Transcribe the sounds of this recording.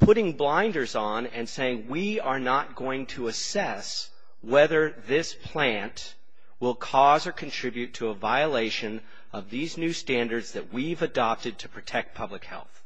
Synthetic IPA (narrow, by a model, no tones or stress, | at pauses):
pʰʊɾɪ̃ŋblãɪ̃ndə˞zn̩ɨ̃nseɪɪ̃ŋwiə˞nət̚ɡ̥oʊɪ̃ŋtʰəəsɛs | wɛðə˞ðɪspʰl̥æ̃nt | wɪlˠkʰɔzə˞kʰɨ̃ntʰɹ̥ɪbjʉtʰɨəvaɪəleɪʃɨ̃n | ʌvðiznʉstæ̃ndə˞dzðɨt̚wivɨdɑp̚tɨd̚tʰɨpʰɹ̥ɨtʰɛk̚t̚pʰʌblɨkhɛ̰lˠθ